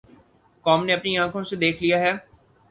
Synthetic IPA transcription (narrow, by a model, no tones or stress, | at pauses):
kɔːmneɐpniãːkʰõsed̪eːkʰlijaɦɛː